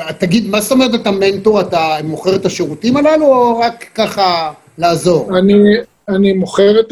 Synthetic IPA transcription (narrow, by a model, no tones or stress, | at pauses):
atːaɡid̪mazst̪o̞meet̪̬atame̞nt̪oatamo̞χeʁet̪aʃeʁutimalaluoʁakːaχa | laːzo̞ʁani | animoχeʁet̪